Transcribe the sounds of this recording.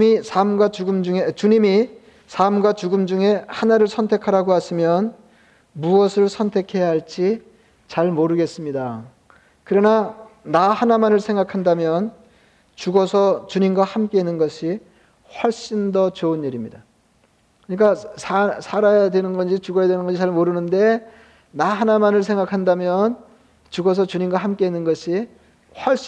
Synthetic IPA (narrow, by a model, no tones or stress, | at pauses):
misʰamɡwat͡ɕuɡɯmd͡ʑuŋet͡ɕuɲimi | sʰamɡwat͡ɕuɡɯmd͡ʑuŋe̞hanaɾɯɭsʰʌntʰe̞kʰaɾaɡohaɕʰimjʌn | muʌsʰɯɭsʰʌntʰe̞kʰe̞jaɦaɭt͡ɕ͈i | t͡ɕaɭmoɾɯɡe̞s͈ɯmɲida | kɯɾʌnanahanamanɯɭsʰeŋɡakʰandamjʌn | t͡ɕuɡʌsʰʌt͡ɕuɲimɡwahamk͈e̞inːɯnɡʌɕʰi | ɸwʌɭɕ͈indʌt͡ɕoɯniɾimɲida | kɯɲik̬͈asʰasʰaɾajadwe̞nɯnɡʌnd͡ʑit͡ɕuɡʌjadwenɯnɡʌɕʰit͡ɕaɭmoɾɯnɯnde̞ | naɦanamanɯɭs̬ʰe̞ŋɡakʰandamjʌn | t͡ɕuɡʌs̬ʰʌt͡ɕuɲimɡwaɦamk͈e̞inːɯnɡʌɕʰi | hwʌɭɕ͈